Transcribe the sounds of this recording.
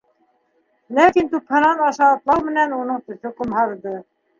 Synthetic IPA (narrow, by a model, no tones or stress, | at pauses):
lækint̪uphɤ̆nɑnɑʃɑːt̪lˠɑwmɘ̆nænunɤɴt̪ɵ̆θɵkumhɑɾd̪ɤ